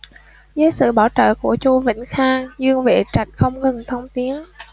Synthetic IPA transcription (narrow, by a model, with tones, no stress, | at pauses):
zəː˨˦jsɨ̰˧˨ɓaː˧˩wt͡ɕə̰ː˧˨ku˧˩ət͡ɕu˧vḭ˧˩˨ŋ̟xaː˧ŋzɨ˧əŋvḛ˧˨t͡ɕa˨˩jk̟̚xə˧wŋ͡mɣə˨˩ŋt̪ʰə˧wŋ͡mt̪i˨˦ən